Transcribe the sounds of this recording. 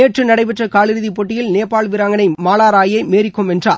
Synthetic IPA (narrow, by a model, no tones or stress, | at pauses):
eːʈrɯnɐɽɐɪpɛʈrɐkaːlɪɾɯðipɔʈːɪjɪlneːpːaːɭʋɪɾaːŋɡɐnɐɪmaːlaːɾaːjɐɪmeːɾɪkːɯmɛndra̰ː